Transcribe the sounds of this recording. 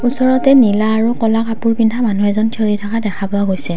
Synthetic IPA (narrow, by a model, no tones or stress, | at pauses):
usɔɹɔtɛnilaːɹukɔlakapuɹpindʱamanuɛzɔntʰoɹitʰakadɛkʰapʊaɡojsɛ